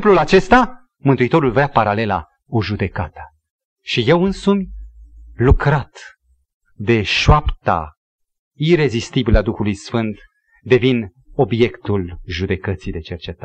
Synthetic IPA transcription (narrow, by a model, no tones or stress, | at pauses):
plulat͡ʃe̞st̪a | mɨnt̪uit̪o̞ɾulvɾeapaɾale̞la̰ | oʒud̪e̞kat̪ə | ʃije̞wɨnsumʲ | lukɾat̪ | d̪e̞ʃoapt̪a̰ | ire̞zist̪ibilad̪uxulujsfɨnt̪ | d̪e̞vin | o̞bje̞kt̪ulʒud̪e̞kət̪sijd̪e̞t͡ʃe̞rt͡ʃe̞t̪a